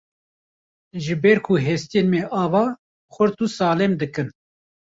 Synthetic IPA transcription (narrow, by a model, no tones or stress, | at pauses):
ʒɨbɛɾkʰuɦɛst̪ijeːnmɛʔɑːvɑː | xʷʊɾt̪usɑːlɛmd̪ɨkɨn